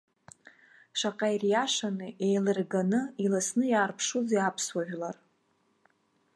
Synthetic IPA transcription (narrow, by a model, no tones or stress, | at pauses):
ʃʷaqʼajrjaʃanɨʔejlɨrɡanɨilasnɨjaːrpʰʂud͡ziapʰswaʒᶣlar